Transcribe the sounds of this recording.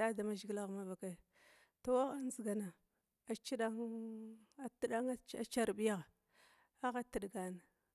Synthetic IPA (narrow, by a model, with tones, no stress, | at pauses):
a˦da˨ma˦ʒɡi˦la˦ɣma˦va˨ka˦˨ | to˦a˦a˦n˦zi˨ɡa˨na˨ | a˨t͡ʃi˦ɗa˦ŋ | a˨ti˦ɗa˦ŋ˦a̰˨t͡ʃa˦ɾbi˦ja˦ɣ | a˦ɣa˦ti˨dɡa˨na˨